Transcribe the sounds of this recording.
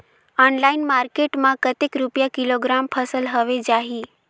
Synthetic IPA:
ɔnlainmaɾkeʈmãkət̪ekɾupjakiloɡɾampʰəsəlɦəʋed͡ʒaɦi

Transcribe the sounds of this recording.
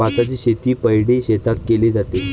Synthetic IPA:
at̪at͡ɕiːɕet̪iːpəjɽeɕet̪ʰat̪keled͡zat̪e

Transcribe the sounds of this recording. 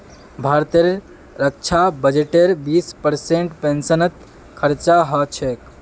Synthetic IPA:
bʱaɾt̪eɾː | ək̚t͡ʃʰabəd͡ʒeʈeɾbispəɾseɳʈpẽnsənət̪ | kʰəɾt͡ʃaɦət͡ʃʰek

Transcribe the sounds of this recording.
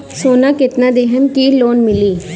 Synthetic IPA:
soːnakɪt̪nad̪eɦəmkiloːnmɪliː

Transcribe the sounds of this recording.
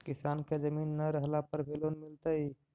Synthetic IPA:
kisanked͡ʒəminːəɾəɦlapəɾbʱelonmilt̪əi

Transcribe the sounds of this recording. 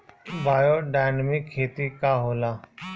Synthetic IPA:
baːjoːɖaːjnəmɪkʰːeːt̪ikaːɦoːlaː

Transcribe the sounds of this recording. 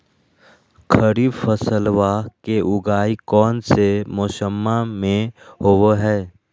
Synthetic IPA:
kʰəɾiːbpʰəsəlwakeʔʊɡaːikɔːnsemosəmːamẽhoːwɦɛː

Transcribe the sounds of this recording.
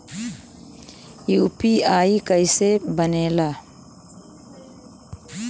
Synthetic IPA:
juːpiaːikəɪsebəneːlaː

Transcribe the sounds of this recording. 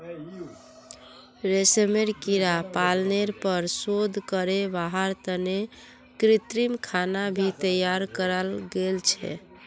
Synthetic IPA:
ɾesemeɾkiɾapalneɾpəɾsod̪ʱkəɾebaɦəɾt̪əne | kɾit̪ɾimkʰanabʱit̪əjaɾkəɾəlɡelt͡ʃʰɛ̰

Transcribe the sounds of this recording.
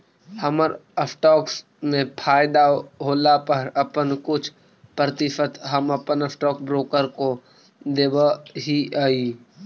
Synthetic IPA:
həməɾəpʰʈɔːks | mẽpʰaːɪd̪aɦoːlapəɾəpənkʊt͡ʃʰ | pɾət̪ɪʃət̪ɦəməpənəpʈɔːkbɾoːkəɾko | d̪eːʋəɦiaːi

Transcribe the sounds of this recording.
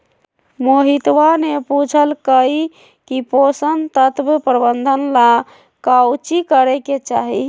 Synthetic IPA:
moɦit̪ʋaneput͡ʃʰəlkəi | kiposənt̪ət̪bpɾəbənd̪ʱənla | kawt͡ʃikəɾɛket͡ʃaɦi

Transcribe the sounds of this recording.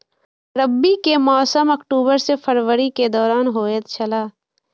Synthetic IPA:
ɾəbːikemɔːsəməkʈuːbəɾsefʰəɾʋəɾiked̪ɔːɾaːnɦoːet̪t͡ʃʰɐlaː

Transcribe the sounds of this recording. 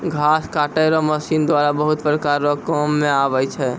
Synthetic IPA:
ɡʱaskaʈəjɾɔməsind̪waɾabəɦut̪pɾəkaɾːɔkɔmːẽabəjt͡ʃʰɛ

